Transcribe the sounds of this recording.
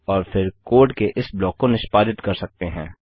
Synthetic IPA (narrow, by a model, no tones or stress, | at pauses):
ɔːɾfʰɪɾkoːʈkeʔɪsblɔːkːonɪʃpaːd̪ɪt̪kɐɾsɐk̚t̪eɦɛ̃ː